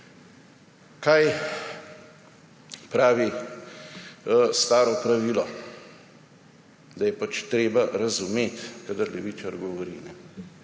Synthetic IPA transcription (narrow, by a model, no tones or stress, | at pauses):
kaj | pɾaːʋi | st̪aːɾɔpɾaʋiːlɔ | d̪ajɛpat͡ʃt̪ɾeːbaɾazumeːt̪kad̪əɾlɛʋiːt͡ʃaɾɡɔʋɔɾḭːnɛ